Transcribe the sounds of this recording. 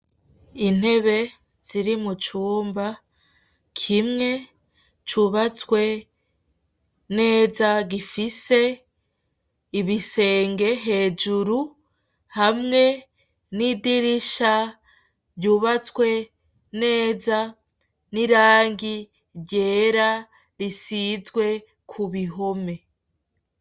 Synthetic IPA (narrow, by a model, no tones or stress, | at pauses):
in̥he̞βe̞ | z̥iɾimut͡ʃuːmba | kʰimŋe̞ | t͡ʃuβat͡swe̞ | ne̞ːzaɡifise̞ | iβise̞ːŋɡe̞ɦe̞ːd͡ʒuɾu | hamŋe̞ | nidiɾiʃa | bjuːβat͡swe̞ | ne̞ːza | niɾaːŋɡi | ɾɟe̞ːɾa | ɾisizɡwe̞ | kʰuβiɦome̞